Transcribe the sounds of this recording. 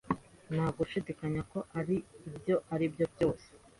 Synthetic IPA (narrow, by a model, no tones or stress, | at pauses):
nhaːɡuʃidikaɲako̞ʔaɾiːbjo̞ʔaɾibjo̞bjo̞ːse̥